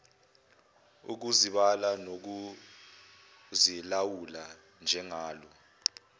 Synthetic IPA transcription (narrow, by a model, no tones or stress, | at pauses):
ṵk̬uziɓalanok̬u | zilawula | nd͡ʒʱɛŋaːlɔ